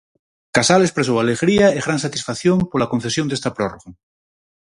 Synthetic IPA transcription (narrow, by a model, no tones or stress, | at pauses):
kasalespɾesowaleɣɾiaeɣɾansat̪isfaθjompolakon̟θesjond̪est̪apɾoroɣa